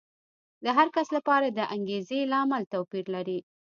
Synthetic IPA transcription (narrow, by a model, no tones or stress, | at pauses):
d̪əɦaɾkaslapɑɾad̪əʔaŋɡezelɑamalt̪awpiɾlaɾi